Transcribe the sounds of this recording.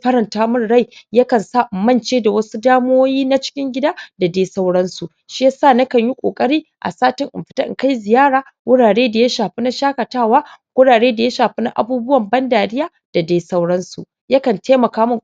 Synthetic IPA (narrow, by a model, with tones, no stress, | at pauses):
ɸɐ˦ɾɐ˨ntaː˦mʊ˦rːa˦˨jjɐ˦kɐ˨nsaː˦ʔmɐ˦nt͡ʃeː˦da˨wɐ˦su˦daː˦m˦oː˦jiː˦na˦t͡ʃɪ̥˦kʲɪ˦ŋɡʲɪ˦daː˦da˨da˦sa˦wɽɐ˦nsu˨ʔ | ʃi˦ja˦saː˦˨nɐ˦kɐ˨ɲji˦kʷʼo̰ː˨kʼɐ˦ɽiː˦ | ʔa̰˨saː˦tɪ˦ŋʔɪ̰˨mɸɪ̥˨˦ta˦ʔka˦jzɪ˨jaː˦ɽaː˨ | wʊ˦ɽaː˨ɽeː˦da˨ja˦ʃaː˨ɸi˦na˦ʃaː˦kɐ˨taː˦waː˦wʷʊ˦ɽaː˨ɽeː˦da˨ja˦ʃaː˨ɸi˦na˦ʔa̰˨buː˦bʊ˦wɐ˨mbɐ˦ndaː˨dɪ˦jaː˦ | d̥a˨deː˦jsa˦wɽɐ˦nsṵ˨ | ja˦kɐ˨ntʰeː˦mɐ˨kaː˦mʊ˦˨